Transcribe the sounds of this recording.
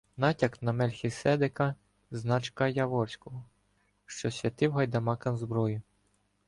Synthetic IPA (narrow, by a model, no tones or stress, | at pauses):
nɑtʲɐknɐmɛlʲxʲisɛd̪ɪkɐ | znɑt͡ʃkɐjɐʋɔrsʲkɔɦɔ | ʃt͡ʃɔsʲʋʲɐt̪ɪwɦɐjd̪ɐmɑkɐnzbɾɔjʊ